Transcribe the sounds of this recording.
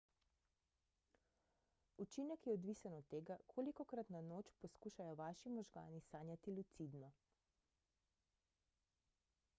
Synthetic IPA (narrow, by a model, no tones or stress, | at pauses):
ut͡ʃiːnɛkjɛɔd̪ʋiːsanɔt̪ːeːɡakʰoːlikɔkɾat̪nanoːt͡ʃpɔskuːʃajɔʋaːʃimɔʒɡa̰ːnisaːnjat̪ilut̪sid̪ma